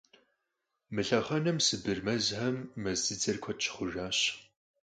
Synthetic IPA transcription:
mɨɬɐχɐnɐmsɨbɨrmɐzħɐmːɐzɨd͡zɐrkʷʰɔt̚t͡ʃʰɪ̥χʷʊʒaːɕ

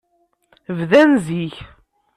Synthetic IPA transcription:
vðænziç

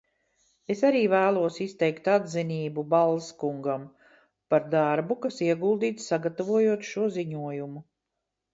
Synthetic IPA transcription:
e̞saɾiːvæːlˠuɔsist̪ɛjkt̪ad̪ziniːbubalˠskuŋɡam | paɾd̪aɾbukasiɛɡulˠd̪iːt̪ssaɡat̪avuɔjuɔt̪ʃuɔziɲuɔjumu

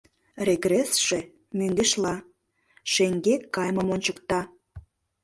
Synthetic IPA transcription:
reɡresʃe | myŋɡeʃlɑ | ʃeŋɡekːɑjməmonʲt͡ɕəkt̪ɑ

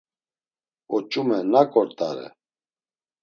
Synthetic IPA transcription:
ɔt͡ʃʼumɛnakʼɔɾt̪ʼa̰ɾɛ̰

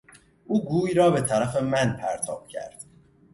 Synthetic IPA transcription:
ʔuːɡuːjɾɒːbe̞t̪ʰæɾæfe̞mænpʰæɾt̪ʰɒ̰ːb̥̚cʰæ̰ɾd̪̥

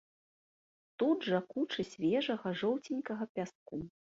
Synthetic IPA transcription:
t̪ud̪ʐɐkut͡ʂɨsʲvʲɛʐɐɣɐʐɔwt͡sʲinʲkɐɣɐpʲas̚ku

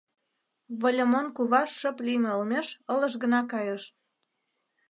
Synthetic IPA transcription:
βolʲomonkuβɑʃːə̆plimʲeolmeʃəlɤ̆ʃɣə̆nɑkɑjəʃ

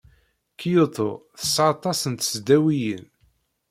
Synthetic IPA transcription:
kʰːijot̪ˤo̰θəsɑt̪ˤːɑsənt̪əzd̪æwijə̰n

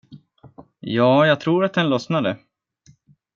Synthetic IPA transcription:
jɑːjɑːɡt̪ʰɾuːɾat̪̚d̪ɛnlɔsnad̪ə

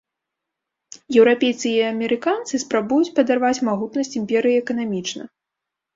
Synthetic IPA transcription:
jɛwɾapʲejt̪sɨjiɐmʲɛɾɨkant̪sɨspɾabujut͡sʲpɐd̪arvat͡sʲmaɣut̪nɐsʲt͡sʲimʲpʲɛɾɨjiɛkɐnamʲit͡ʂnɐ̰

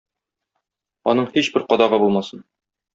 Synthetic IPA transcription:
ɒ̰nɤɴhiɕbɘɾqɒd̪ɑʁɤbulˠmɑsɤn

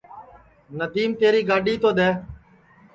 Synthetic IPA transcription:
nəd̪iːmt̪eːɾiːɡaːɖiːt̪oːɗ̪eː

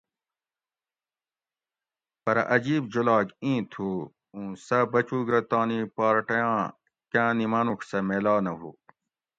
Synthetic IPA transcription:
pɐɾʔɐd͡ʑiːbd͡ʑolaːɡĩːt̪ʰuː | ũːsɐbɐt͡ɕuːɡɾɐt̪aːnipaːɾʈɐjãː | kãːnimaːnuksɐmeːlaːnɐɦuː

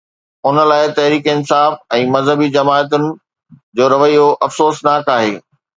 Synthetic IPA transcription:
ʊnə̆laːɪt̪ɐɦɾiːkɪnsaːfɛ̃ːmɐzɦəbid͡ʑɐmaːət̪̬ʊnɪ̆ | d͡ʑoːɾɐʋəijoʔɐfsoːsnaːkaːɦeː

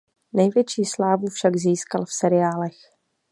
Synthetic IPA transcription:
nɛjvjɛt͡ʃiːslaːvufʃaɡziːskalfsɛɾɪjaːlɛx

